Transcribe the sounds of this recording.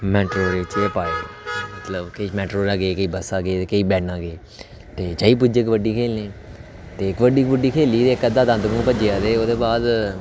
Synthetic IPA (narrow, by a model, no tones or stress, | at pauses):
mɛːʈɾoːɾeːʋɪt͡ʃeːpaːemət̪ləbkəimɛːʈɾoːɾaːɡeeːkəiːbəsaːɡeːt̪eːkəiːbɛːnãːɡeː | t̪eːt͡ʃaːiːp̬ʊd͡ʒɪkʋəɖːiːkʰeːlnẽː | t̪eːɪkʋəɖiːkʋəɖiːkʰeːliːt̪eːɪkəd̪ãːd̪ə̃nd̪əkũːpəd͡ʒeaːt̪eːoːd̪eːbaːd̪